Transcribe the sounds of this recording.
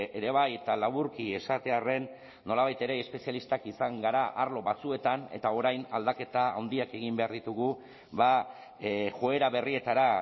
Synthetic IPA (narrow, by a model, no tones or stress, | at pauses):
eɾe̞βaje̞t̪alaβuɾkie̞sat̪e̞are̞nː | o̞laβajt̪e̞ɾe̞ːspe̞sialist̪akisaŋɡaɾaʔaɾlo̞βat͡sue̞t̪ane̞̰t̪ao̞ɾajnald̪ake̞t̪aawnd̪iake̞ɣ̞imbe̞aɾðit̪uɣu | βa | ʝoe̞ɾaβe̞rie̞t̪aɾa